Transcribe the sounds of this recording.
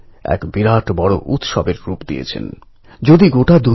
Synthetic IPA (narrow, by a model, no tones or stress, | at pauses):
ɛ̰kbiɾaʈbɔɽo̰ʔut̪ʃɔbeɾɾupd̪ijḛt͡ɕʰḛn | d͡ʑod̪iɡoʈad̪u